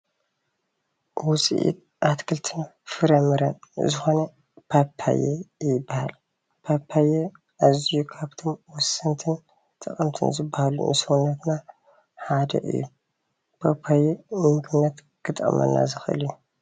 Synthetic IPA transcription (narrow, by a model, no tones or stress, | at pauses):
wʊt͡sʼḭʔḭt̪̚ | ʔat̪kʰɨlt̪ʰɨnfɨɾɐmɨɾɐnzɨxo̞nɐ | pʰapʰːa̰jḛjɪbːaha̰l | pʰapʰːaje | ʔazijukʰaβt̪ʰo̞mwɔsɨnt̪ʰɨn | t̪ʰɐχʼɐmt̪ʰɨ̰nzɨbːahalṵnsɐwnːɐt̪na | ħad̪ɐ̰ʔɨ̰jːu | pʰapʰːajemɨŋɡɨnːɐt̪ | ɡ̥ɨt̪ʼɐ̰mɐ̰nːa̰zɨxʔɨ̰lju